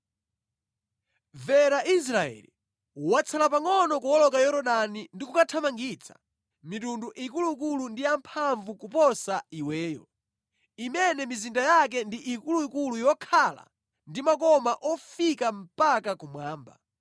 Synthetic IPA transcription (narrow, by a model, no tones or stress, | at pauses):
vɛɾaʔis̬ɾaɛ̰li | wat͡sʰalapaŋɔnɔkuwɔlɔkajɔɾɔɗanindikukatʰamaŋɡit͡sʰḁ̰ | mitunduʔikuluik̬ulundijampʰaɱvukupɔsaiwɛːjɔ̰ | imɛnɛmizindajak̬ɛndiʔikuluikulujɔkʰala̰ | ndimakɔmaʔɔfikam̩pakakumwaːmba̰